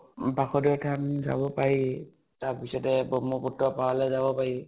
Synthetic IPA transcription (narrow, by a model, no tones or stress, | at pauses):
baxɔdɔtʰamza̰bɔpaɹi | tapisɔtɛbɔmɔpɔtːɔpawalɛzabɔpaɹi